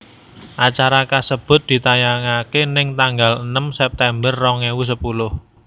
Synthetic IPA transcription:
ʔat͡ʃaɾakasəb̥ʊ̤t̪̚d̪̥i̤t̪ajaŋakenɪŋt̪aŋɡalənəmsɛp̚t̪ɛmbərːɔŋewus̬əpulʊh

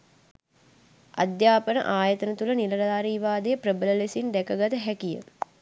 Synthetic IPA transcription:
a̰d̪jaːpənə̰ʔaːjət̪ənət̪ulənilɐlɐdaːɾiːʋaːd̪ejəprəbələlesind̪ɛkəɡat̪əɦækijə̰

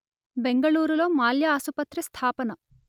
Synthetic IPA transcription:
be̞ŋɡɐɭuːɾulo̞ːmaːljɐːsupɐt̪ɾist̪ʰaːpɐnɐ

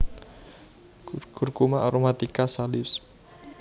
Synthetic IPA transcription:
ɡ̥urɡumaʔaɾomat̪ikasalɪs

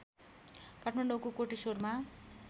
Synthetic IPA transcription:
kaʈʰmaɳɖokokoʈisorma

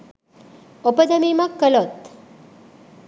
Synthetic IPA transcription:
opəd̪əmimãkːəlot̪

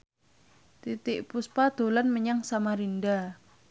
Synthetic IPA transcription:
t̪it̪ɪʔpuspad̪̥o̤lanməɲaŋsamaɾinda

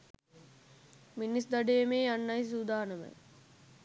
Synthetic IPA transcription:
minisd̪aɖejemeːjanːɐjs̬ud̪aːnəmə̰

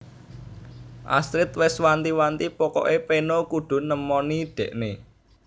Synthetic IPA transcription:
ʔa̰sɾɪt̪wɪswant̪iwant̪ipɔkɔ̰ʔepenokuɖ̪̥ʊ̤nəmɔniɖ̪̥ɛ̤ʔne

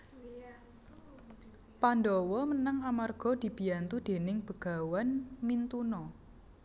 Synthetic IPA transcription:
pandɔwɔmənaŋamarɡ̥ɔ̤d̪̥i̤b̥i̤ant̪ud̪̥e̤nɪŋb̥əɡ̥a̤wanmint̪unɔ

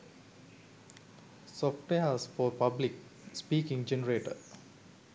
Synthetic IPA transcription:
sɔfʈʋeəsfɔːɾpablik̚spiːkĩŋd͡ʒenəɾeːʈə̰

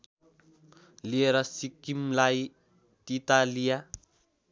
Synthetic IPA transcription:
lieɾasikːimlaj | t̪it̪alia

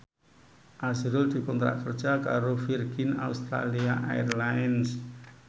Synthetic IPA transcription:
ʔazɾʊld̪̥i̤kɔnt̪ɾa̰ʔkər̥ʒ̥a̤ka̰ɾofirɡ̥ɪna̰ust̪ɾa̰liaʔa̰ɛrlaɛns

